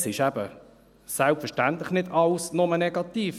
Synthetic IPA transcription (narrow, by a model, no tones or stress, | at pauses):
sɪʃæb̥ə | sælpfəʃtænt̪ləχnɪdɑlsnʊmənɛɡ̥ɑt̪iːf